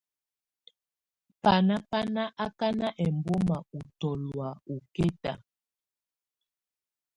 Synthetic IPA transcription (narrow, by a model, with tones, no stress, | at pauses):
pa˨na˦pa˦na˦ʔa˦ka˦na˦ʔɛ˨mbɔ˦ma˨u˨tɔ˨lwa˨u˨kɛ˦ta̰˨